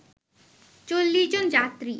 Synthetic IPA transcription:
t͡ɕolːiʃd͡ʑond͡ʑat̪ɾi

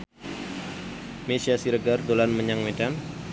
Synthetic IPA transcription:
mesiasiɾəɡard̪olanməɲaŋmedan

